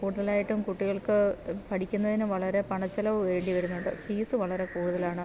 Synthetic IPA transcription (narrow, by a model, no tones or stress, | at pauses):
kuːɽuðɐlaːjiʈːumkuʈːiɣɐɭkɨpɐʈʰikʲːunːɐðinuʋɐɭɐɾe̞pɐɳɐt͡ɕːɐlɐʋɨeɾeɳɖiʋɐɾunːuɳɖɨ̰fiːsɨʋɐɭɐɾe̞kuːɽuðɐlaːɳɨ